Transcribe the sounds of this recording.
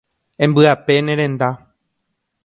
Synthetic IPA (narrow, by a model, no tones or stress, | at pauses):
ẽ̞mbɨape̞nẽɾẽ̞nd̪a